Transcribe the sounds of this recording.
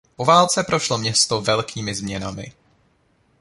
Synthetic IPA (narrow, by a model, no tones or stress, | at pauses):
po̞vaːlt͡sɛpɾo̞ʃlo̞mɲɛst̪ovɛlkʰiːmɪzmɲɛnamɪ̰